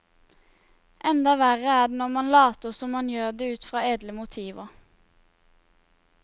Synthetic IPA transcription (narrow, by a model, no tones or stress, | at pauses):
ʔɛnd̪ɑʋæʁəæːɖ̪nɔmɑnlɑːt̪əsɔmːɑnjøːʁd̪eːʉːt̪fʁɑːeːd̪ləmʊt̪ʰiːʋə